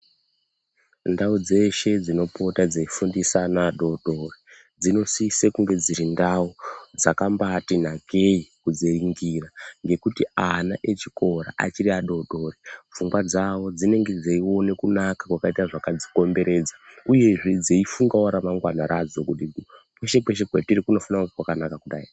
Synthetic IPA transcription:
ndaud͡ze̞ʃe̞d͡zino̞po̞tad͡zeifundisanaːɗo̞ɗo̞ri | d͡zino̞sisekuŋɡe̞d͡ziɾindaud͡zakambatin̤akeikud͡zeriŋɡiraŋɡe̞kutianaʔe̞t͡ʃikʰo̞ɾa̰ʔa̰t͡ʃiriaɗo̞ɗo̞ːrivuŋɡwad͡zawo̞d͡zine̞ŋɡe̞d͡zeiwo̞ne̞kunakakwakaitaʐakad͡ziko̞mbe̞ɾe̞d͡zauje̞ʐed͡zeifuŋɡawaɾamaŋɡwanaɾad͡zo̞kuɗi | pweʃe̞kweʃekwetirikuno̞fanakwakanakakuɗai

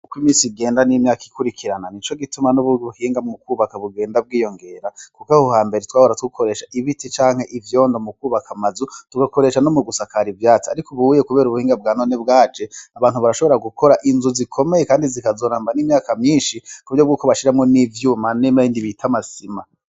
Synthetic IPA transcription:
ukwimiːsiɡe̞ːndanimɲaːki̥kʰuɾikʰiɾananit͡ʃo̞ɡitumanuβuuhiːŋɡamukuːβakaβuɡe̞ːndab̚ɡiːjo̞ŋɡe̞ɾakukahohaːmbe̞ɾetwaːhoɾatukukʰo̞ɾe̞ːʃaʔiβitit͡ʃaːŋ̥he̞ʔivjo̞ːndomukuːβakʰamazutuɡako̞ɾe̞ʃanomuɡusakaɾivjaːt͡siaɾikoβuuje̞kuβe̞ːɾuβuhiːŋɡab̚ɡaːno̞nebɡaːd͡ʒe̞aβaːnhuβaɾaʃoβo̞ɾaɡukʰo̞ɾaʔinzuzikʰo̞me̞jekaːndizikazo̞ːɾaːmbaniːmɲaːkamɲiːnʃikuɾjob̚ɡuːko̞βaʃiɾamŋo̞nivjuːmanemajindiβitʰamasima

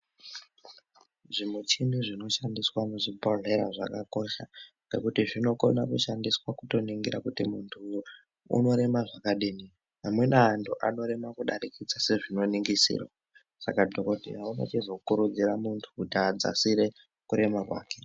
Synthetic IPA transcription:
ʐimut͡ʃiniʐino̞ʃandiswamuʐibʱoɮe̞ɾaʐa̰kako̞ʃa | nḛkutiʐino̞ko̞nakuʃandiswakuto̞niŋɡiɾakutimuntʰṵː | no̞ɾe̞maʐakaɗiːni | ɦamwe̞naːntʰuʔano̞ɾe̞makuɗaɾikid͡zase̞ʐino̞niŋɡisḭːrwa̰ | sakadʱoko̞dʱḭjaunḛt͡ʃizokukuɾud͡ziɾamuntʰu̥kutiad͡za̰siɾe̞ | kuɾe̞makwa̰ːke̞

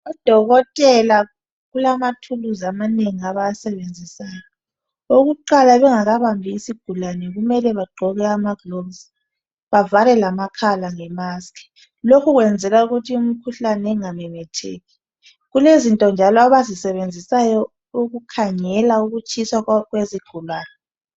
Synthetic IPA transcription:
ɔd̥ʱɔɣɔtʼɛla | ɣulamatʰuluzamaneŋiaβajasɛβend͡zʱisajɔ | oɣuǃalaβɛŋaɣaβambʱiːsiɡ̥ʱulanɛɣumɛlɛβaɡ͡ǃʱɔɣɛamaɡ̥lɔbz | βavalɛlamakʰalaŋɛmaskʰʼɛ̥ | lokʰuɣwɛnd͡zʱɛlauɣutʰium̩kʰuɬanɛŋamɛmɛtʰḛːɣi | ɣulezintʼɔnd͡ʒʱalɔaβazisɛβend͡zʱisajɔ | uɣukʰaŋɛlauɣut͡ʃʼiswaɣweziɡ̥ʱulaːnɛ

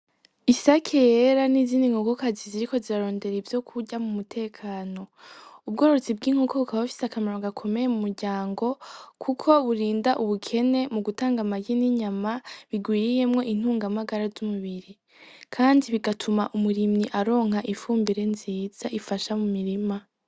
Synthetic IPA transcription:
isakʰejeɾaniziːndiŋɡoɡo̞kaziziɾiko̞ziɾaɾo̞ːnde̞ɾivjo̞kʰuɟamumutʰe̞ːkʰaːno̞ub̚ɡo̞ːɾot͡sib̚ɡiːŋ̥okoβukaβafi̥sakamaɾoɡakʰo̞me̞jemumuɾɟaːŋɡo̞kʰukʰo̞βuɾiːndaʔuβukʰe̞ne̞muɡutaːŋɡamaɟiniɲamaβiɡwiːɾije̞mŋo̞ʔin̥huːŋɡamaɡaɾazumuβiɾi | kʰaːndiβiɡatʰumaʔumuɾimniʔaɾo̞ːŋ̥haʔifuːmbiɾe̞nziːz̥aʔifaʃamumiɾima

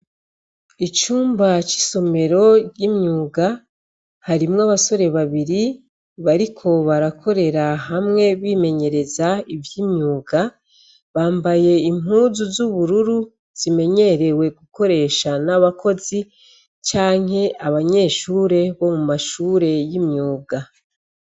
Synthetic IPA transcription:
it͡ʃuːmbat͡ʃi̥so̞me̞ɾo̞ɾjimɲuːɡa | haɾimŋaβaso̞ɾe̞βaβiɾi | βaɾikʰo̞βaɾakʰo̞ɾe̞ɾaɦamŋe̞βiːme̞ɲe̞ɾe̞zaivjiːmɲuːɡa | βaːmbaje̞imɦuːzuzuβuɾuɾu | z̥ime̞ɲe̞ɾe̞we̞ɡuko̞ɾe̞ːʃanaβakʰo̞zi | t͡ʃaːŋ̥he̞aβaɲe̞ːʃuːɾe̞βo̞mumaʃuːɾe̞jimɲuːɡa

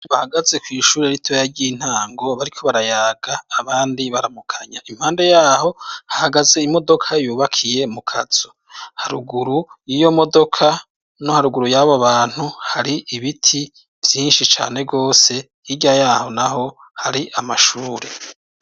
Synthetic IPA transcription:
βahaɡaze̞kwiːʃuːɾeɾitʰojaɾɟiːn̥haːŋɡo̞βaɾikʰo̞βaɾajaːɡaːβaːndiβaɾamukʰaɲaim̥haːnde̞jaːho̞hahaɡaze̞imo̞do̞kʰajuːβakʰije̞mukʰaz̥o̥ | haɾuɡuɾujijo̞mo̞do̞kʰa | nohaɾuɡuɾujaβoβaːn̥huhaɾiʔiβitʰi | vjiːnʃit͡ʃa̰ːne̞ɡo̞ːse̞ | jiɟajaːho̞naɦo̞ | haɾiʔamaʃuːɾe̞

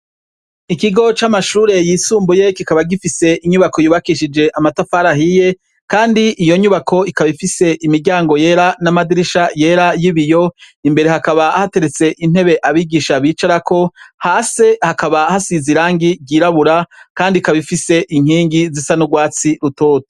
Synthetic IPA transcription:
ikiɡo̞t͡ʃamaʃuːɾe̞jiːsuːmbuje̞kikaβaɡifise̞ʔiɲuβako̞juːβakiʃid͡ʒe̞ʔamatafaːɾaɦije̞ | kaːndiʔijo̞ɲuβakʰo̞ikaβifise̞ʔimiɾɟaːŋɡo̞je̞ːɾanamadiɾiʃaje̞ːɾajiβijo̞imbe̞ɾe̞hakaβahate̞ɾe̞t͡se̞ʔin̥he̞βe̞ʔaβiɡiːʃaβiːt͡ʃaɾakʰo̞haːse̞hakaβahasiziɾaːŋɡiɟiːɾaβuɾakaːndikaβifise̞ʔiŋ̥hiːŋɡizisanuɡwaːt͡siɾuto̞ːto̥

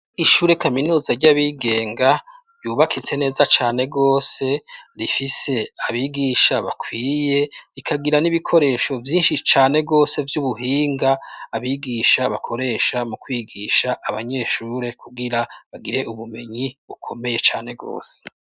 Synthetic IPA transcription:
iʃuːɾe̞kaminuːzaɾɟaβiɡe̞ːŋɡa | juːβakʰit͡se̞ne̞ːzat͡ʃaːne̞ɡo̞ːse̞ɾifise̞aβiɡiːʃaβa̰kʰwiːje̞ɾikʰaɡiɾaniβikʰo̞ɾe̞ːʃo̞vjiːnʃit͡ʃaːne̞ɡo̞ːse̞vjuβuɦiːŋɡaːβiɡiʃaβakʰo̞ɾe̞ʃamukwiːɡiːʃaʔːβaɲe̞ʃuːɾe̞kʰuɡiɾaβaɡiɾe̞ʔuβume̞ɲiβukʰo̞me̞je̞t͡ʃaːne̞ɡo̰ːse̥

